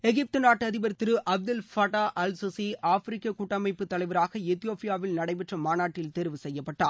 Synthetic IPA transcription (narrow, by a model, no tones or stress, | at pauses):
ɛɣɪp̚t̪ɯnaːʈːɯɐðɪbɐɾɯt̪ːɪɾɯʔɐb̚d̪ɐlfɐːʈaːʔɐlsusiaːfɾɪkːɐkuʈːɐmɐɪpːɯt̪ːɐɭɐɪʋɐɾaːɣɐɛt̪ːɪjoːpɪjaːʋɪlnɐɽɐɪpɛʈrɐmaːnaːʈːɪlt̪eɾʋɯsɛjːɐpːɐʈːa̰ːɾ